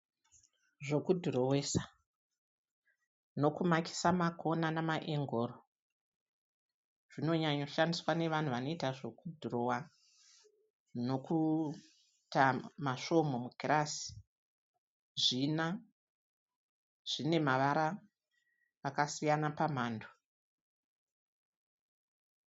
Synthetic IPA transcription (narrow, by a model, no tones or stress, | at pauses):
ʐo̞kudʱurowesa | no̞kumaki̥samakʰo̞nanamaʔeŋɡo̞ːɾo | ʐ̥ino̞ɲaɲo̞ʃandiswane̞ʋan̤uʋano̞itaʐo̞kudʱurowa | no̞ku | tamaʃo̞mo̞muɡʱirasi̥ | ʐina | ʐ̥ine̞maʋaɾa | kasijanapamaːndʰo